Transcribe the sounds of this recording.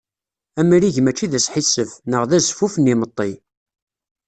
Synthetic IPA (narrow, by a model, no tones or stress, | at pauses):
æmɾiʝmæt͡ʃːiðæsħisːəfnəʁðæzfufənimət̪ˤːi